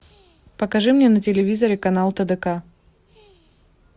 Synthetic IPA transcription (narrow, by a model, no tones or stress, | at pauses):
pəkɐʐɨmnʲenətʲɪlʲɪvʲizəɾʲɪkɐnalˠt̪əd̪əka